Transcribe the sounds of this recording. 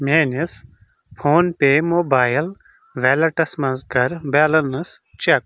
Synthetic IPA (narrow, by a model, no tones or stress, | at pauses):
mʲeːnis | pʰoːnpeːmoːbaːjl | ʋeːlɐʈɐsmɐnzɡɐɾbeːlɐnɨst͡ʃek̚